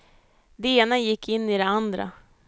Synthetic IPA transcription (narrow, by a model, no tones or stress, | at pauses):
d̪ɛeːnajɪkʰːɪnːɪd̪ɛand̪ɾa̰